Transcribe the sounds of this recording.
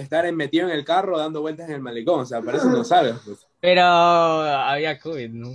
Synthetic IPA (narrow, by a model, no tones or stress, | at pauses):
est̪aɾemme̞t̪iðoeŋe̞lkaro̞ðand̪o̞βwe̞lt̪aseŋe̞lmaleko̞ŋos̬eapaɾesonosaβespwes | peɾo | aβiakoβid̪nu